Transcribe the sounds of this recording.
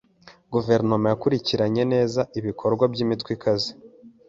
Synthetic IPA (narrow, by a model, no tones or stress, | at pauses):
ɡuve̞ɾno̞majakuɾiciɾaɲe̞ne̞ːzaʔiβikʰo̞ɾɡwabɟimitwikʰazi